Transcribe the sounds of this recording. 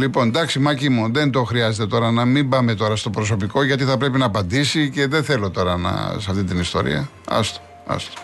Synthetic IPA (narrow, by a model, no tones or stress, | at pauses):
lipo̞nd̪ɐksimɐcimuðe̞nd̪o̞xɾiɐze̞t̪e̞t̪o̞ɾɐnɐmibɐme̞t̪o̞ɾɐst̪o̞pɾo̞so̞piko̞ʝɐt̪iθɐpɾe̞pinɐːpɐnd̪isice̞ðe̞θe̞lo̞t̪o̞ɾɐnɐ̰sɐft̪it̪inist̪o̞̰ɾḭɐ | ɐ̰st̪o̥ | ɐ̰st̪o̥